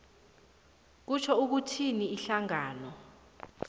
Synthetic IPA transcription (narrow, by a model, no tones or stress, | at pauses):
k̬ut͡ʃʰɔuk̬utʰiniːɬaŋaːnɔ